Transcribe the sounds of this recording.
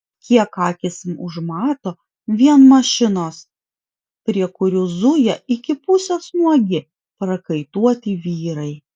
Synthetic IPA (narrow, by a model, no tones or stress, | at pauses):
kʲiɛkɑːkʲɪsʲɪmʊʒmɑːt̪oː | ʋʲiɛnmɐʃʲɪnoːs | pʲɾʲiɛkʊɾʲuːzʊjɛɪkʲɪpʊsʲɛsnuɔɡʲɪ | pɾɐkɐɪt̪uɔt̪ʲiːʋʲiːɾɐɪ